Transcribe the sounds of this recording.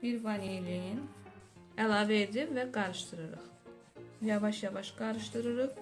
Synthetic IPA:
biɾvɑnilijin | ælˠɑːvɛed̪imvæɡɑɾɯʃt̪ʰɯɾɯɾɯ̰χ | jɑvɑʃjɑvɑʃɡɑɾɯʃt̪ɯɾɯɾɯχ

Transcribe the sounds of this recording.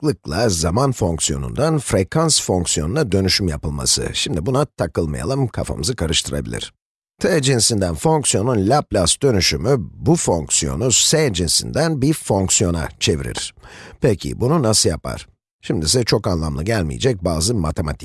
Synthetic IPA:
lˠɯklˠazamanfo̞ŋksijo̞̰nṵnd̪anfɾekʰansfo̞ŋksijo̞nunad̪ø̞nyʃymjapɯlˠma̰sɯ̰ʃimd̪ibunat̪ʰakɯlˠmaja̰lˠɯmkʰafa̰mɯzɯkʰaɾɯʃt̪ʰɯɾa̰bḭlʲḭɾ̥ | t̪ʰɛd͡ʒinsind̪ænfo̞ŋksijo̞nunlʲaplʲasd̪ø̞nyʃymybufo̞ŋksijo̞̰nusɛd͡ʒinsḭnd̪ænbifo̞ŋksijo̞na̰t͡ʃʰe̞viɾḭɾ̥pʰɛcʰḭbununasɯjapʰa̰ɾ̥ | ʃimd̪isɛt͡ʃʰo̞kanlˠamlˠaɟælʲmḭjed͡ʒɛc̚baːzɯmat̪ʰe̞ma̰t̪ʰik

